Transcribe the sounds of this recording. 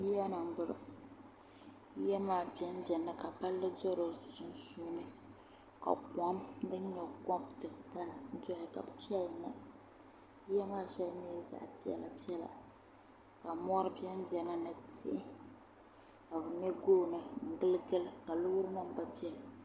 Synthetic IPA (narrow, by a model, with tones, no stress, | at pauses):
ji˦ja˦na˨m̩˦bʊ˦lʊ̰˨˦ | jɛ˦maː˦˨bi˨ɛ˦m˦bɛ˨nɨ˦ka˨pa˦lːɨ˦dɔ˦ɾo˨zʊ˨sʊ˦n˦suː˦nɨ˦ | ka̰˨kɔ˦mbɨ˦ɲɛ˨kɔ˦mtɨ˨ta˦ln̩˦d͡ʒɔ˦hɪ˨ka̰˨bʃɛ˦˨na˨˦ | jɛ˦maː˦ʃɛ˦lneː˦za̰˨ʔpi˦ɛ̰˨la̰˨pi˦ɛ˦la̰˨ | ka˨mɔ˦ɾɨ˦bi˦ɛ˦m˦bɛ˨nɨ˦nɨ˨tɪ̰˦ʔɪ˦ | ka˨bɨ˨ɲɛ˦ɡoː˦˨nɨ˨ŋ̩˨ɡɨ˦lɨ˦ɡɨ˦lɨ˦ka˨lʊ˦ʊ˦ɾɨ˦ma˦m˦ba˦pi˦ɛ˦l